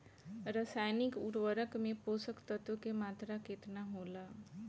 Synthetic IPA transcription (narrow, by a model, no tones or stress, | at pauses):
ɾəsajnikuʈʋəɾəkmẽposəkt̪ət̪okemat̪ɾaket̪naɦola